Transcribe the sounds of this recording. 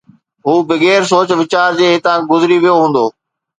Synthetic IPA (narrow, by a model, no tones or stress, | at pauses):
ɦuːbɪɡeːɾs̬oːt͡ɕʋɪt͡ɕaːɾd͡ʑeːɦɪt̪ãɡʊzɪɾiʋijoɦũːn̆d̪oː